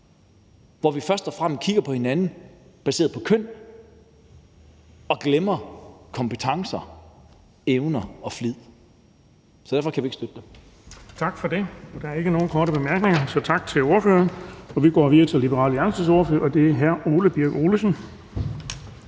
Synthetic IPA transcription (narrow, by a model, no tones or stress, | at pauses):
ʋɒʋifɶɐsd̥ɒ̽fʁam̰skʰiɡ̥ɐpʰɒ̽he̝nænn̩b̥æse̝ːɐðˠpʰɒ̽kʰøn̰ | ɒ̽ɡ̥lemɐkʰɒ̽mpʰət͡sʰɑ̈ŋsɐ | eʊnɐɒ̽flið̰ˠ | sɒ̽dæɐfɒ̽kʰæʋie̝ɡ̥sd̥ød̥d̥em | t͡sʰɑ̈ɡ̥fɒ̽d̥e̝ɒ̽d̥ɑ̈æɐe̝ɡ̥əno̝ːn̩kʰɒːɾəb̥emæɐɡ̥ne̝ŋɐsɒ̽t͡sʰɑ̈ɡ̥̚t͡sʰe̝lo̝ɐføːɐnɒ̽ʋiɡ̥ɒ̰ːʋiðˠɐt͡sʰe̝lib̥əʁɑ̰̈ːləæɐnsd̥əsoɐføɐʔɒ̽d̥e̝æɐɦæɐo̝ːləb̥iɐɡ̥o̝ːləsn̩